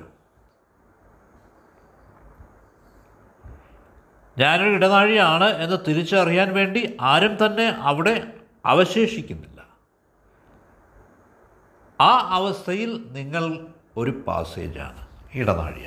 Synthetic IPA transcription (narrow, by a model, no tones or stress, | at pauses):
ɲaːnoiɽɐnaːɻijaːɳɨe̞nːɨt̪iɾit͡ɕːɨɐrijaːnʋe̞ːɳɖiʔaːɾɐmt̪ɐnːe̞ʔɐʋiɽe̞ | ɐ̰ʋɐɕe̞ːʂikʲːunːilːɐ | aːɐʋɐst̪ʰɐjilniŋːɐɭ | o̞ɾupa̰ːsḛːd͡ʑa̰ːɳɨiɽɐna̰ːɻḭa̰